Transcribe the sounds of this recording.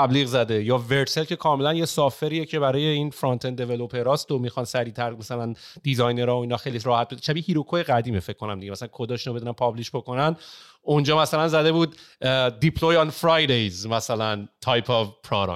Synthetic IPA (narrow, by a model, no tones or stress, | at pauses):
æbliːɣzæd̪ejɒːve̞ɾt̪se̞lcʰe̞kʰɒːme̞lænjesɒːfe̞ɾiːjecʰe̞bæɾɒːje̞iːnfɾont̪ʰend̪e̞velopʰe̞ɾɒːst̪omixɒnsæɾiːt̪ʰæɾmæsælænd̪̥izɒjneɾɒːoiːnɒːxe̞jliɾɒːhæt̪̚beʃæbihiːɾokʰojeɣæd̪iːmefecʰkːo̞næmd̪iɟemæsælænkʰo̞d̪ɒːʃinobe̞d̪unænpʰɒbliʃboko̞næn | ond͡ʒɒːmæsælænzæd̪e̞buːd̪d̪ipʰlojɒnfɾɒjd̪ejzmæsælænt̪ʰɒjpʰɒvpʰɾɒːɾɒ̰